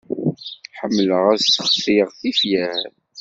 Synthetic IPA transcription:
ħəmːləʁæðtːəχfiʁθifjæh

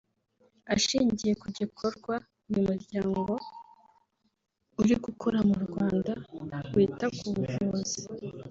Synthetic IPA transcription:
aʃiːɲɟije̞kuɟikʰo̞ɾɡwa | ujumuɾɟaːŋɡo̞ | uɾiɡukʰoɾamuɾɡwaːndaɾwiːtakuβuʒoβozi

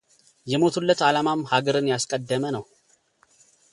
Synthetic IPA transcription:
jɛmo̞t̪ʰulːət̪alamamhaɡəɾɨnjaskʼəd̪ːəmənəw

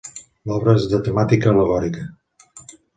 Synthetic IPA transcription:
lɔβɾəezðət̪əmat̪ikəːləɣɔɾikə

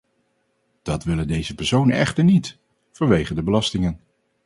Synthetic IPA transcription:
d̥ɑtʋɪləndejzəpɛɹsownə̰nɛχtəɹnit | v̥ɑnʋejχədəbəlɑstɪŋən

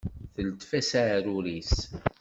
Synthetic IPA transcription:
θəlt̪fæsaʕɾuɾis

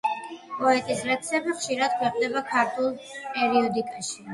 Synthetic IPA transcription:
pʼɔɛt̪ʼislɛksɛbiχʃiɾad̪̥̚kʰwɛqʼd̪ɛbakʰaɾt̪ʰulˠpʼɛɾiɔd̪ikʼaʃi

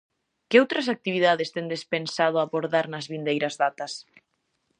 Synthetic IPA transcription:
kɪowt̪ɾɐsak̚t̪iβiðaðest̪end̪espensað̞ʊaβoɾðaɾnɐzβind̪ejɾɐzðat̪ɐs

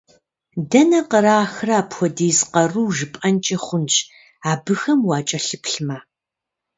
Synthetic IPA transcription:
dɐnɐqəɾaːxraːpxʷɔdeːzqɐruːʒɨpʼɐnt͡ʃʼɐχʷʊnɕ | aːbɨxɐmwaːt͡ʃʼɐɬɨpʰɬma

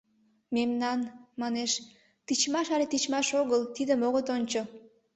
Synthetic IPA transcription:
memnɑnmɑneʃ | t̪it͡ɕmɑʃɑlet̪it͡ɕmɑʃoɣəlt̪id̪əmoɣot̪onʲt͡ɕo

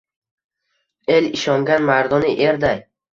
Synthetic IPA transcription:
e̞lɪʃɒŋɡʲanmaɾd̪ɒnɪʔe̞ɾd̪aj

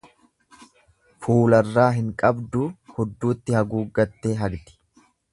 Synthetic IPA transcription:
fuːlɐrːaːɦɪŋkʼɐbd̪ʊhɔd̪ːuːt̪ːɪhɐɡuːɡɐt̪ːe̞ːɦɐɡt̪ɪ̥

